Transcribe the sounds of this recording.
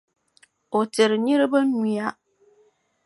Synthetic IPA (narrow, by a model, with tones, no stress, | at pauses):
o˨tɪ˨ɾɪ˨ɲɪ˦ɾɪ˦ba˦ni˨a˦